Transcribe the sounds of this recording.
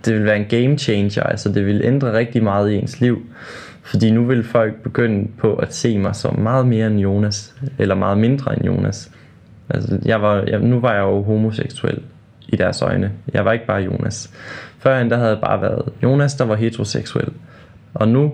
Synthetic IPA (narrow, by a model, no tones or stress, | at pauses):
d̥e̝ʋe̝lʋæːɐe̝nɡ̥eɪmt͡ɕʰeɪnɕɐælsɒd̥e̝ʋe̝lʔend̥ʁɐʁɛɡ̥̚d̥imɑ̈ːð̞̩ˠie̝nsliʊ̰ | fɒ̽d̥ḭːnuʋe̝lfɒ̽l̰ɡ̥̚b̥e̝ɡ̥øn̰əpʰɒ̽ʔæ̥se̝̰ːmɑ̈ɪsɒ̽mːɑ̈ːð̞̩ˠme̝ːɐenjo̝ːnæselɐmɑ̈ːð̩ˠme̝nd̥ʁɐenjo̝̰ːnæs | ʔælsəjɑ̈ɪʋɑ̈nuʋɑ̈jɑ̈ɪoʊɦo̝mo̝seɡ̥suḛl̰ | id̥æɐsɒ̰̽ɪnəjɑ̈ɪʋɑ̈e̝ɡ̥əb̥ɑ̈ːjo̝ːnæsfɶɐend̥æɦæð̩ˠjɑ̈b̥ɑ̈ːʋæɐð̞̩ˠjo̝ːnæsd̥ɑ̈ʋɑ̈ɦet͡sʰʁo̝seɡ̥suḛl̰ | ʔɒ̽nu